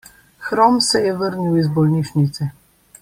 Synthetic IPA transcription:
xɾɔmsɛjɛʋəɾniwizbɔlniʃnit̪sɛ

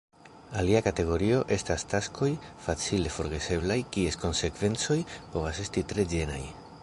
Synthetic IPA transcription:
aliakate̞ɣo̞ɾio̞ʔe̞stastasko̞jfat͡sile̞fo̞ɾɣe̞se̞blajkie̞sko̞nse̞kv̥e̞nt͡so̞jpo̞vase̞stitɾe̞d͡ʒe̞na̰j

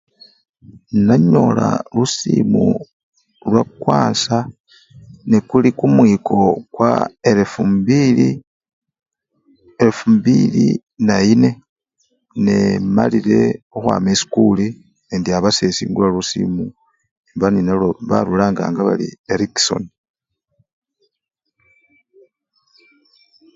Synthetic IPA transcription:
naɲo̞la̰lusimu | lwakwaːnsa | nekulikumwiːko̞kwa̰eɾefumbili | eɾefumbilḭ | naine̞ | ne̞ma̰lile̞oxwa̰ːmesi̥kuli | endiaβase̞sḭːŋɡulalusḭmu | imbaninaloβaɾulaːŋɡa̰ːŋɡaβa̰lḭeɾikso̞̰n

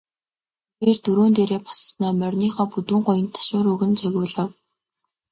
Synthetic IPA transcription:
pirt̪ɵɾoːnt̪eːɾeːpḁssnaːmœrʲniːχɔːput̪uːŋɢʊjə̆nt̪ʰḁʃʊːɾɵɣɘ̆nt͡sœɣʲʊːɮə̆w

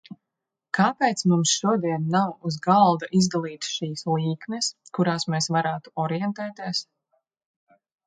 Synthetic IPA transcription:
kaːpɛjt̪smumsʃuɔd̪iɛnːawuzɡalˠd̪aʔizd̪alˠiːt̪ʃiːsliːknɛskuɾaːsmeːsvaɾaːt̪u̥ɔɾijɛnt̪ɛːt̪iɛs

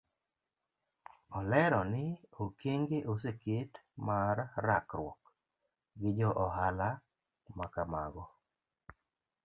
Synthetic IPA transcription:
ɔlɛɾɔnɪokeŋɡeʔoseketmaɾːakɾwɔk | ɡɪd͡ʒɔʔɔɦala | makamaɡɔ

